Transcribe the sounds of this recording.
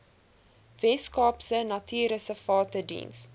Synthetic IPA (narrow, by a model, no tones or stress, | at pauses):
vɛskɑːpsənɐtʰyːɾəsəfɑːtədḭns